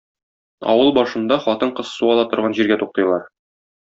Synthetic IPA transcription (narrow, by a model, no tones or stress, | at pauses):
ɒ̰wɤlˠbɒʃɤ̆nd̪ɑχɒt̪ɤɴqɤ̆ssuɒlˠɑt̪ŏɾʁɑnʑiɾɡæt̪uq̚t̪ɤ̆jlˠɑɾ